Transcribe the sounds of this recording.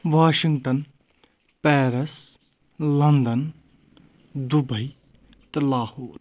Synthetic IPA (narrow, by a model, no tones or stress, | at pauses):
ʋaːʃiŋɡʈɐn | pɛːɾɐs | lɐnd̪ɐn | d̪ubɐj | t̪ɐlaːhoːɾ